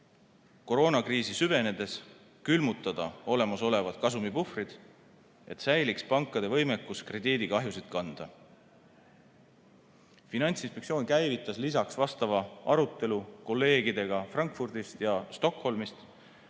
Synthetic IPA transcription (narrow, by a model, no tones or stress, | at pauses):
ko̞ɾo̞ːnɑkriːsisyve̞ne̞d̪̥e̞s | kylmut̪ːˑɑd̪̥ɑo̞le̞mɑso̞le̞vɑd̪̥kɑsumipufrid̪̥ | e̞t̪sæjlikspɑŋkːˑɑd̪̥e̞vɤjme̞kːˑuskre̞d̪iːd̪ikɑɦjusid̪̥kɑnd̪̥ɑ | finɑnʲt̪sinspekt̪sio̞ːnkæjvit̪ːˑɑslisɑksvɑst̪ɑvɑɑɾut̪ːˑe̞luko̞lːe̞ːɡid̪̥e̞ɡ̥ɑfrɑŋkfurd̪̥ist̪jɑst̪o̞kho̞lmist̪